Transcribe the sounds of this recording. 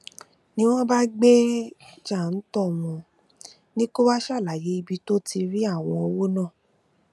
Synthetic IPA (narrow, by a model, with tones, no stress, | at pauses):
nĩ˦w̃ɔ̃˦ba˦ɡ͡be˦d͡ʒa˦˨n̩˦tɔ˦˨wɔ̃˧ | nĩ˦ko˦wa˦ʃa˦˨la˨je˨˦i˧bi˧to˦ti˧ɾi˦a˦˨w̃ɔ̃˧o˧wo˦nã˦˨